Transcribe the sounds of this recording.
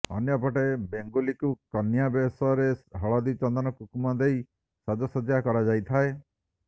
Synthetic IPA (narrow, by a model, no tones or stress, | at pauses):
ɔ̰njɔpɔʈebeŋɡolikukɔnjabesɔɾeɦɔɭɔd̪it͡ʃɔnd̪ɔnɔkukumad̪ej | sɔd̪ɔsɔd̪jakɔɾad͡ʒajt̪ʰae